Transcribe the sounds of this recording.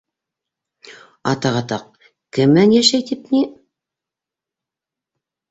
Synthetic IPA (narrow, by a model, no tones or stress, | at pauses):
ɑt̪ɑʁɑt̪ɑq̚ | kɘmːænjæʃæjt̪ipni